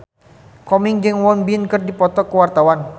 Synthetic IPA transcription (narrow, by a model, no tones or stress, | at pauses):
kɔmiŋd͡ʒɨŋwɔnbinkɨrdipɔt̪ɔkəwart̪awan